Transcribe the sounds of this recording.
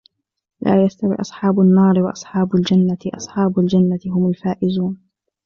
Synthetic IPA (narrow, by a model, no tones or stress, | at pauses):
lʔa̰ːjast̪awḭːʔɑsˤħɑːbanːɑːɾɪwɑʔɑsˤħɑːbʊld͡ʒanːat̪ɪʔɑ̰sˤħɑːbʊld͡ʒanːat̪ɪɦʊmʊlfaːʔɪzuːn